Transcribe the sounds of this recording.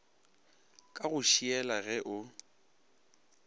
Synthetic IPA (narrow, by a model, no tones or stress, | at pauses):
kʼaɣʊʃiɛlaɣɛʔʊ